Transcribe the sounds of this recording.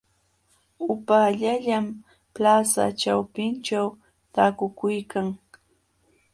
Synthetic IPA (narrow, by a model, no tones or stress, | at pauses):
ʊpaʎaʎam | plasa̰ʈ͡ʂawpɪnt͡ʃaw | t̪aːkʊkʊjkaŋ